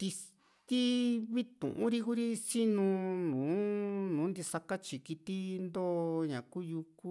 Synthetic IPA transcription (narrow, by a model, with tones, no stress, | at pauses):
t̪i˧ | t̪i˦βi˦t̪ṵ̃˨ʔũ˦ɾi˧ku˦ɾi˦si˦nũ˧nũː˨˦nũ˨˦nd̪i˧sa˧ka˦t͡ʃi˨ki˧t̪i˦nd̪o˦ɲã˨ku˦ju˧ku˦